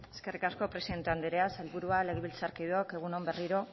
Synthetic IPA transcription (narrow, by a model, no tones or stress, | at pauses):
eske̞rikasko̞pɾesiðe̞nt̪eand̪eɾeaselβuɾuale̞ɣeβilt͡saɾkiðuoke̞ɣ̞uno̞mbe̞riɾo̞